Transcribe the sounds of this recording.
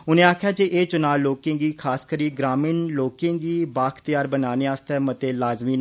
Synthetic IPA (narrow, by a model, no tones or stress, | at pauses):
ʊnẽːaːkʰjaːd͡ʒeːʔeːt͡ʃʊnaːlːoːkẽːɡiːkʰaːskəɾiːɡɾaːmĩːnloːkẽːɡiːbaːkt̪ɪjaːɾbənaːneːaːst̪ɛːmət̪eːlaːzmiːn